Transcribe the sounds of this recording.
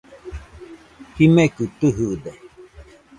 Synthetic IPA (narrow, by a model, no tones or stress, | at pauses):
himekɯt̪ɨɦɯd̪e